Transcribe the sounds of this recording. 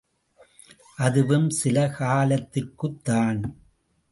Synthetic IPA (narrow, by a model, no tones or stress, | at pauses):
ʔɐðɯʋɯmsɪlɐkaːlɐt̪ːɪrkɯt̪ːaːn